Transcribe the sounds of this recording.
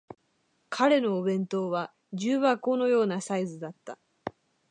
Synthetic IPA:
kʰaɾe̞no̞ːbẽ̞nt̪o̞ːβa | d͡ʑɨːβako̞no̞jo̞ːnasaizɨd̪at̪ːa

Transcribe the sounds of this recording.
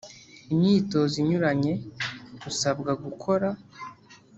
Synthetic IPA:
imɲiːto̞ziɲuɾaɲe̞ɡusabɡaɡukʰo̞ɾa

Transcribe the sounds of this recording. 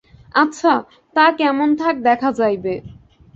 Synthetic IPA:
atːɕʰa | t̪akɛmont̪ʰak̚d̪ɛkʰad͡ʑajbe

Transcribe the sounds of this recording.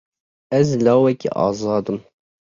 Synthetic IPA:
ɛzlɑːwɛkḭʔɑ̰ːzˤɑːd̪ɨm

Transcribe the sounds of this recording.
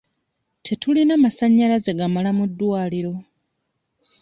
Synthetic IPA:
tʰe̞tulinaːmasaɲːalaze̞ɡamalamud̪ːwaːliɾo̞

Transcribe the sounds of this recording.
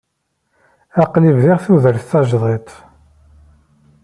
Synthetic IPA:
æqlivðɪʁθuðəɾθθɑʒðˤet̪ˤ

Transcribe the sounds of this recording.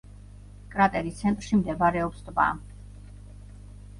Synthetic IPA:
kʼɾat̪ʼɛɾist̪sʰɛnt̪ʼɾʃimd̪ɛbaɾɛɔpsd̪ʼva̰

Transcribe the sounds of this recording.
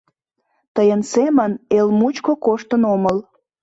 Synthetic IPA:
t̪əjənsemənelmut͡ɕkokoʃt̪ənoməl

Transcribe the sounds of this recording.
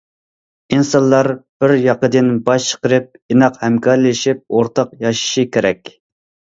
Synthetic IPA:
insɑnlˠɑɾb̥ɪɾjɑqəd̪ɪnbɑʃt͡ʃʰə̥qəɾɨp̚inɑqhɛmkʰɑɾlɪʃip̚oɾt̪ɑqjɑʃi̥ʃikʲeɾɛkʲ

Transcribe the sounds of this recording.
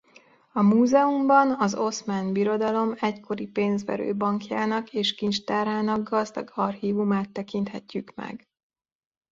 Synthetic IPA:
ɒmuːzɛumbɒnɒzo̞smaːnbiɾo̞d̪ɒlo̞mɛckʰo̞ɾipeːnzʋɛ̰ɾø̰ːbɒŋkjaːnɒkeːʃkint͡ʃt̪aːraːnɒɡːɒzd̪ɒɡɒrhiːvumaːt̪ːɛkint̪hɛcːykmɛ̰ɡ

